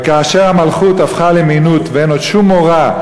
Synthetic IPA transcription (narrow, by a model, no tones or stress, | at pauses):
kaːʃeʁhamalχutafχaleminutveenodʃumoʁa